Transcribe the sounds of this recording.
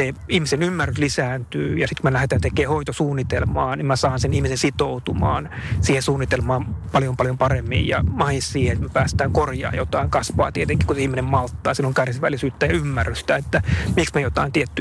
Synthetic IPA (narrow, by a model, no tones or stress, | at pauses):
eihmisenymːærːyslisæːnt̪yːjɑsit̪kumelæhet̪ænt̪ekeːhoit̪osuːnːit̪elmɑːnimmæsɑːnsenihmisensit̪out̪umɑ̰ːnsiːhesuːnːit̪elmɑːmpɑljompɑljompɑremːḭjjɑ̰mɑissiːheet̪mepæːst̪æːŋkorjɑ̰ːjot̪ɑiŋkɑsʋɑ̰ːt̪iet̪eŋkihkuseihminemmɑlt̪ːɑːsilːoŋkærsiʋæ̰lisyːt̪ːæjɑymːærːyst̪æet̪ːæmiksmiejot̪ɑint̪iet̪ːy